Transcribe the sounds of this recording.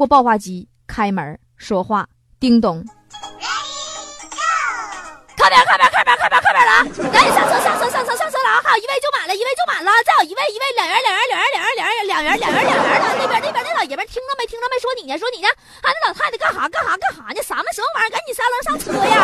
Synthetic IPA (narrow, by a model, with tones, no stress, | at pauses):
ɔ˥˧˩pɑ˥˧ʊxwa˥˩t͡ɕi˧˥ | kʰa˥ɪmə̰˨˧˥ | ʂwɔ˥xwa̰˥˩ | t̪i˥ŋt̪ʊ˥˩ŋ | kʰa˧˥ɪpʲja˨˩kʰa˥bja˨˧˥kʰa˥bja˨˧˩kʰa˥bjkʰa˥mə˨˧˩lɐ˧˩ka˧˥ni˨˩ʂɑ˥˧ŋt͡sʰɤ˥˧sɑ˥˧ŋt͡sʰɤ˥˧˥sɑ˥˧ŋt͡sʰsʰs̬jɑ˥˧ŋt͡sʰɤ˧˥la˧˩˥xa˧˥ji˧˥e˥˧ɪt͡ɕjo˥˩ʊma˨˩lə˦i˧˥e˥˧ɪt͡ɕjo˩ma˨˩lə˦t͡sa˥˩ɪjo˨˩ʊi˧˥e˥˩ɪi˧˥ʋe˥˩ɪljɑ˨˩ŋjə˧˥ljɑ˨˩ŋmə˧˥ljmə˧˥ljŋjə˧˥ljŋjljɑ˨˩ŋɥə˧˥ljɑ˨˩ŋjə˧˥ljɑ˨˩ŋjə˧˥na˧˩ne˥˩bjə˨˩˥n˥˩bjn˥˧ɑ˧˩jɛ˨˩bʲjə˧˥t̪ʰi˥ŋlə˧me˧˥ɪt̪ʰi˥nə˧m˧˥˩ʂwɔ˥ni˨˩ɛ˧˥˩ʂwɔ˥ni˨˩a˧a˧˩n˥˩ɑ˨˩a˥˩˨kɑ˥˩ŋxɑ˨˩˦kɑ˥˩ŋxɑ˨˧˩kɑ˥˩xɑ˨˩˦ni˧˩sa˧˥mə˧˩ʂ̩i˧˩˥mə˥ma˧˥˧ka˧˥ni˨˩sa˥lʂ̬ɑ˥˧ŋt͡sʰɤ˥˩ja˧˩